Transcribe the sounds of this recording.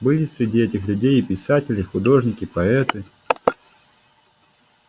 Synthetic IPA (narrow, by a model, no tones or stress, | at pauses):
bɨlʲɪsʲɾʲɪdʲiɛtʲɪxlʲʉdʲejɪpʲɪsatʲɪlʲɪjxʊd̪o̞ʐnʲɪkʲɪpɐɛt̪ɨ